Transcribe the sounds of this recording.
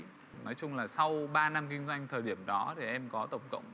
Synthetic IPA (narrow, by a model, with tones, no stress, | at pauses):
nɔ˨˦jt͡ɕʊ˧ŋ͡mlaː˨˩sa˧wɓaː˧na˧mkï˧ŋ̟zwa˧jŋ̟t̪ʰəː˨˩jɗi˧˩əmɗɔ˨˦t̪ʰi˨˩ʔɛ˧mkɔ˨˦t̪ə˧˩wŋ͡mkə̰˧˨wŋ͡m